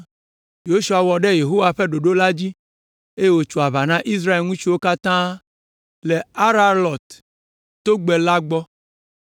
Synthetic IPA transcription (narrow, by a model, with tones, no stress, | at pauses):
jo˦ʃu˨a˨wɔ˨ɖɛ˦je˨ɦo˦wa˨ɸe˦ɖo˨ɖo˦la˦d͡ʑi˦ | e˦je˨wo˦t͡ʃu˨a˨βa˨nã˦ʔi˦s̬ɾa˦e˨lŋũ˦t͡ʃi˦wo˦ka˦t̪ã˦ | le˨a˦ɾa˦lɔ˨t̪ː | o˦ɡ͡bɛ˨la˦ɡ͡bɔ˦